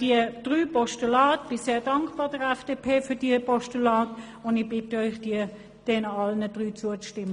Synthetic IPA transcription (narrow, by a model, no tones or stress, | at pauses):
d̥id̥ʁyːpɔʃtulaːtb̥ɪseːɐdɑŋkbɑːʁdəʁɛfd̥eːpʰeːfyːɐdiːɐpʰɔʃtylaːt | ʊndɪb̥ɪtəœɪχd̥iə | d̥ɛnɑlnəd̥ʁyːt͡suət͡sʃtɪmə